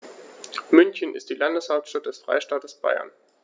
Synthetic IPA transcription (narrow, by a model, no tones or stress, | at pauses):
mʏnçənɪ̰std̥iːlandəshaʊlptʃtat̚d̥ɛsfʁ̥a̰ɪʃtaːtəsb̥a̰ɪɐ̰n